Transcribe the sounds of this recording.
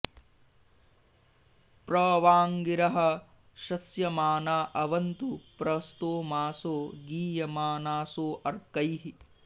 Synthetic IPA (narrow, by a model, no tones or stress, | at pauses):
pɾɐːʋaːŋɡiɾɐɦɐ̆ | ʃɐsjɐmaːnaːʔɐʋɐnt̪upɾɐst̪oːmaːsoːɡiːjɐmaːnaːsoːʔɐɾkɐjɦi